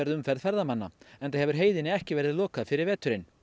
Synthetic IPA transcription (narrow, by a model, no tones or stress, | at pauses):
ɛɾðʏmfɛɾðfɛɾðamanːa̰ɛnθaðhɛvʏɾ̥ɦeːjðɪnɪɛhcɪvɛɾðɪðlɔːkaðfɪɾɪɾvɛːt̪ʏɾɪn